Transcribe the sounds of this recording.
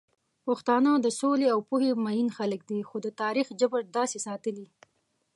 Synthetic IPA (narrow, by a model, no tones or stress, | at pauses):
pʊxt̪ɑnad̪əsoleawpuhemajinxalək̚d̪ixod̪ət̪ɑɾixd͡ʒəbəɾd̪ɑsesɑt̪əli